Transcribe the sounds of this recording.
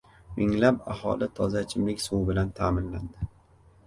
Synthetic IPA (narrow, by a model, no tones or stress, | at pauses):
mʔɪŋlapahɒ̰lɪt̪ʰɒzat͡ʃʰɪmlɪkʲsuwbɪlant̪ʰamɪnland̪ɪ